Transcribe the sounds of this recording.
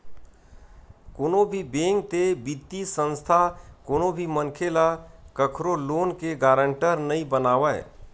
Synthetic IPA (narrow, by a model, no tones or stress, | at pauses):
koːnobʱibeːŋɡ̚t̪ebit̪ːisə̃nst̪ʰakoːnobʱimənkʰelakəkʰɾoloːnkeɡaːɾə̃ɳʈəɾnəĩbənaːʋaɛ̰